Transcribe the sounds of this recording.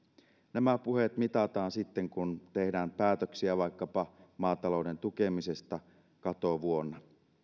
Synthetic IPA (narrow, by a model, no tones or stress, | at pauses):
næmæpuhet̪mit̪ɑt̪ɑːnsit̪ːeŋkunt̪e̞hdæːmpæːt̪øksiæʋɑjkːɑpɑmɑːt̪ɑlo̞ude̞nt̪uke̞mise̞st̪ɑ | kɑt̪o̞ʋuo̞nːɑ